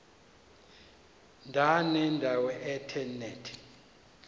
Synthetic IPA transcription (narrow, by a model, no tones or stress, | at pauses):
ndʱanɛndʱawɛʔɛtʰɛnɛtʰ